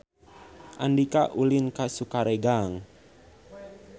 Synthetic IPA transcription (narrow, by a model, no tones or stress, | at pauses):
ʔandikaʔulɪnkasukaɾeɡaŋ